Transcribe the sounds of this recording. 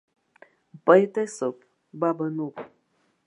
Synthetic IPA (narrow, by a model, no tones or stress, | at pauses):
m̩pəjtəsəp̚ | babənup